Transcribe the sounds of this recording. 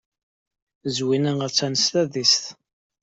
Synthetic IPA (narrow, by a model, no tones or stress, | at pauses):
zwinənət͡sːænəst̪æðisθ